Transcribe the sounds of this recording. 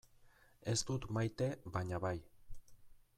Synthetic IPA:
e̞st̪ut̪majt̪e̞baɲaβaj

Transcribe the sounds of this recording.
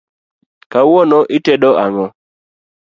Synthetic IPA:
kawɔnɔʔɪteɗɔʔaŋɔ

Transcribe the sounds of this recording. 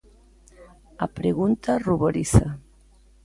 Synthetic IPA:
apɾeɣunt̪aruβoɾiθa̰

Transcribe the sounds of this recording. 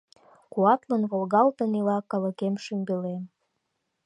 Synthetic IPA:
kuɑt̪lənβolɣɑlt̪ənilɑkːɑləkemʃymbelem

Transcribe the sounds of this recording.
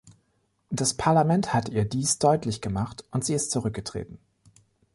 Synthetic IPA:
d̥aspʰaɐlamɛnthatʔiːɐdiːsd̥ɔʏtʰlɪçɡ̥əmaχtʊntz̥iːɪstt͡suʁ̞ʏk̚ɡ̥ətʁ̥ḛːtn̩

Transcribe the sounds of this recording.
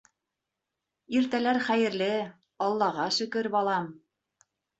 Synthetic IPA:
iɾt̪ælæɾχæjɘ̆ɾlɘ | ɑlˠːɑʁɑʃɵ̆kɘɾbɑlˠɑm

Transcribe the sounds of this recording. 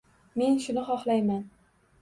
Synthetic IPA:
me̞nʃʊnɪχɒχlˠajman

